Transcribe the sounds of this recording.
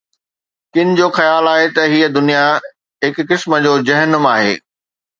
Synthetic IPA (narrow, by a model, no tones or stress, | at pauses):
kɪnɪ̆d͡ʑoːxɐjaːlaːɦet̪ɐɦiəd̪ʊnija | ɦɪkːɪsmə̆d͡ʑoːd͡ʑɐɦənʊmaːɦḛː